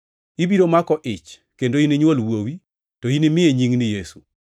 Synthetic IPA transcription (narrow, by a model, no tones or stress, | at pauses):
ibiɾomakɔʔɪt͡ʃ | kendoinɪɲwolwowi | toinɪmɪeɲiŋnɪjesu